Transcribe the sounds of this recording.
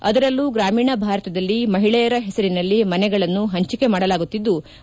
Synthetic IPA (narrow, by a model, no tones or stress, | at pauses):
ɐ̰d̪ɐɾɐlːuɡɾaːmiːɳɐbʱaːɾɐt̪ɐd̪ɐlːimɐɦiɭɛjɐɾɐɦɛsɐɾinɐlːimɐnɛɡɐɭɐnːuɦɐɲt͡ʃike̞maːɽɐlaːɡut̪ːid̪ːu